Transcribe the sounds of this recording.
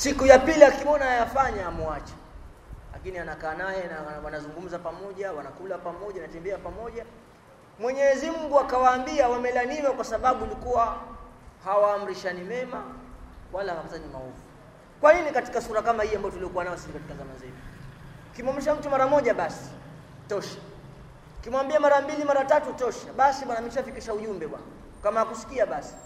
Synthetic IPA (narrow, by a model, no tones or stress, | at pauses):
sikujapiliakimɔnaajafaɲaːmuat͡ʃḁ | la̰kinianakaːnajɛnawanazuŋɡum̩zapamɔʄawanakulapamɔʄanatɛmbɛapamɔʄa | mwɛɲɛzimuɡuakawaːmbiawamɛlaniwakwasaɓaɓuːlikuwa | hawaːm̩ɾiʃanimɛmawalahawakutanima̰ɔvu | kwaninikati̥kasuɾakamahiambajɔtuliɔkuwanawasinikati̥kazama̰zɛvukimwam̩ɾiʃ̬am̩tumaɾamɔʄaɓasi̥ | tɔʃḁ | kimwambiamaɾambilimaɾatatutɔʃaɓasiɓwanamɛʃafikiʃauʄumbɛɓwa̰nɔ | kamahakusi̥kiaɓasi̥